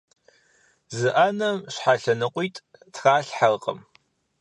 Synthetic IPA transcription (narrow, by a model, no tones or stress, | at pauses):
zɨʔanɐmɕħaɬɐnɨqʷʼijtʼtxaːɬħarqʼə̰m